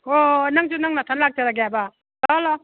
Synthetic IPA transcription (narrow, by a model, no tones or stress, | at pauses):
onaŋsunaŋnatʰanlak̚taɾaɡejaba | lɔlɔ